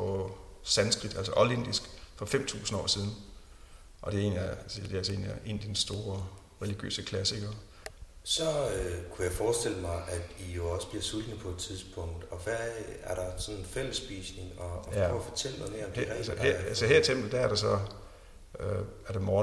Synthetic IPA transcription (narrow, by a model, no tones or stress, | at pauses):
pɒ̽sænsɡ̥ʁid̥æl̰sɐʔɒlend̥isɡ̥fɒ̽fem̰t͡sʰṵːsn̩ɒ̰ːsiːð̞ˠn̩ | ʔɒ̽d̥e̝e̝̰ːnlisd̥e̝æɐsɒe̝̰ːnliæʔe̝̰ːnd̥insd̥o̝ːɐ | ʁɛliɡ̥jø̰ːsəkʰlæsiɡ̥ɐ | sɒ̽kʰujɑ̈ɪfɒːsd̥e̝l̰əmɑ̈ɪʔæd̥ijo̝ɒ̽səb̥liɐsulnəpʰɒ̽ed̥̚t͡sʰiðˠsb̥ʰɔŋ̰d̥ɒʋææɐɾ̥ɑ̈sɒ̽nenfel̰əsb̥iːsne̝ŋɒjæɒ̰fɒt͡sʰel̰mame̝ɐɒ̽md̥ɛshesɒheɐ̰it͡sʰem̰b̥l̩d̥ææɐɾ̥ɑsɒ̽ | øæɐɾ̥emɒː